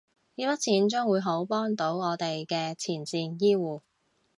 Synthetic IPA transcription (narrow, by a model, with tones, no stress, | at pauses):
iː˨˥pɐ˥t̚t͡sʰiː˨˥nt͡ʃœː˥ŋwuː˨˧jɦo˨˥wpɔː˥ŋt̪o˨˥wɔː˨˧t̪e˨jkɛː˧t͡sʰiː˨˩nt͡siː˨˩njiː˥wuː˨˧